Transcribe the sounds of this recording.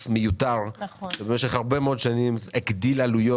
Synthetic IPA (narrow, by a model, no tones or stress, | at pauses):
smejut̪aʁebemeʃeχhaʁbemeod̪ʃanimekd̪ilalujo